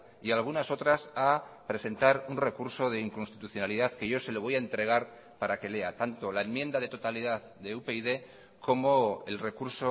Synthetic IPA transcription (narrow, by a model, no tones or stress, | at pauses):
ialɣ̞unaso̞t̪ɾasapɾe̞se̞nt̪aɾunre̞kuɾso̞ð̞e̞iŋkonst̪it̪uθjo̞naliðaðke̞ʝo̞se̞lo̞β̞o̞jaent̪ɾe̞ɣ̞aɾ | paɾake̞le̞at̪ant̪o̞lae̞mjẽ̞nd̪að̞e̞t̪o̞t̪aliðaððe̞upeiðe̞ | ko̞mo̞elre̞kuɾso